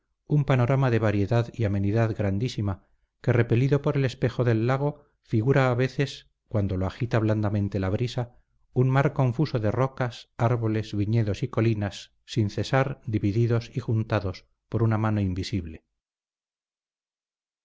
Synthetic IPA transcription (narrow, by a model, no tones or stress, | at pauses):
umpano̞ɾamaðe̞β̞aɾje̞ðaðiame̞niðaðɡɾand̪isima | ke̞re̞pe̞liðo̞po̞ɾe̞le̞spe̞xo̞ðe̞lːaɣ̞o̞ | fiɣuɾaːβe̞θe̞s | kwand̪o̞loaxit̪aβ̞land̪amẽ̞nt̪e̞laβɾisa | unmaɾko̞ɱfuso̞ðe̞ro̞kasaɾβo̞le̞zβiɲe̞ðo̞siko̞linasː | inθe̞saɾd̪iβiðiðo̞sixunt̪aðo̞s | po̞ɾunamano̞imbisiβle̞